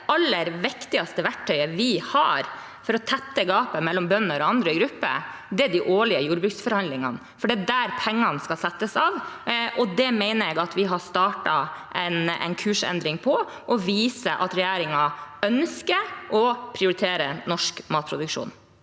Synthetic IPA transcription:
ʔɑlːəɾʋɪkt̪ɪɑst̪əʋæʈʈʰœʏəʋɪhɑ̰ɾ | fɔɾɔt̪ʰɛt̪ːəɡɑːpəmɛlːɔmbœnːəɾɔɑnd̪ɾəɪɡɾʉpːə̰ | d̪ɛæd̪ɪʔoːɭɪəjuːɾbɾʉkt̪sfɔɾhɑnd̪lɪŋɑ̰n | fɔɖid̪æːɾpʰɛŋːɑnskɑsɛt̪ːəsɑːʋʔɔd̪ɛmɛɪnəɾɛɡɑt̪ʋɪɦɑst̪ɑːʈɑʔɛnɛ̰ɪnkʰʉːʂɛ̰nd̪ɾɪŋpʰɔ | ʔɔʋiːsəʔɑ̰t̪ɾɛjæːɾɪŋɑœnskəʔɔpʰɾɪʊɾɪt̪ʰeːɾənɔʂkmɑːt̪̚pʰɾʊd̪ʉkʂṵːn

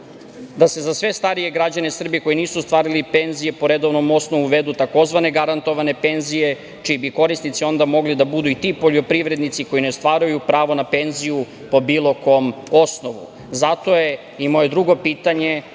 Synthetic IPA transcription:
d̪ase̞zasʋe̞st̪aɾije̞ɡɾad͡ʑanesr̩biko̞jiniːsust̪ʋaːɾilipe̞nzije̞po̞ɾed̪oʋno̞mo̞sno̞ʋuʋe̞d̪ut̪ako̞zʋane̞ɡaɾant̪o̞ʋane̞pe̞nzije̞ | t͡ʃibiko̞ɾisnit̪sio̞nd̪amo̞ɡlid̪abud̪uit̪ipo̞ʎo̞pɾiʋɾe̞d̪nit̪siko̞jineost̪ʋaːɾujupɾaːʋo̞nape̞nziju | po̞biːlo̞ko̞mo̞snoʋṵ | zat̪o̞je̞ | imo̞je̞d̪ɾuɡo̞piːt̪aɲe̞

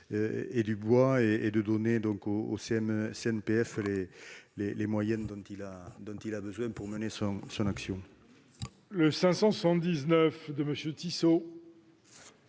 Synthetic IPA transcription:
øed̪ybwaeed̪əd̪ɔned̪ɔ̃ŋkoo̰seɛmseɛnpeɛflelelemwajɛ̃nd̪ɔ̃t̪ilad̪ɔ̃t̪ilabəzwɛ̃puʁmənesɔ̃sɔ̃naksjɔ̃ | ləsɛ̃sɑ̃səsɑ̃d̪iznœfd̪əməsjøt̪iso

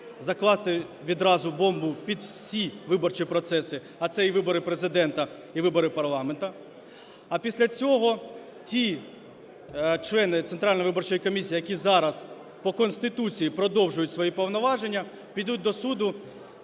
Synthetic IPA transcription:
zɐklˠɑst̪ɪ | ʋʲid̪ɾɑzʊbɔmbʊpʲid̪wssʲiʋɪbɔrt͡ʃipɾɔt̪sɛsɪ | ɐt̪sɛiʋɪbɔɾɪpɾezɪd̪ɛnt̪ɐ | iʋɪbɔɾɪpɐrlˠɑment̪ɐ | ɐpʲisʲlʲɐt͡sʲɔɦɔ | tʲi | t͡ʃlˠɛnɪt̪sent̪ɾɑlʲnɔʋɪbɔrt͡ʃɔjikɔmʲisʲiːjɐkʲizɑɾɐz | pɔkɔnʲst̪ɪt̪ut͡sʲijipɾɔd̪ɔwʒʊjʊtʲsʋɔjipɔwnɔʋɑʒe̞nʲːɐ | pʲid̪ut̚ʲd̪ɔsud̪ʊ

